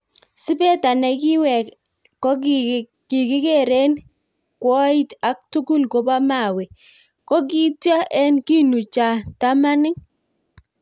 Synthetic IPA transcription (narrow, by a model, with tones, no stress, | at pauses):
sɪ˦pɛ˦ta˨nɛ˨kɪ˦wɛ˨k | kːɔ˦k | kɪ˨kɪ˦ke˦ɾe˦n | kwɔ˦i˦ta˨k̚tu˦ku˦lko˨pa˦ma˨we˨ | kɔ˦k̬i˦ta˦ʔɛ˦nki˦nu˨t͡ʃa˨ta˦ma˦nɪ˦ŋ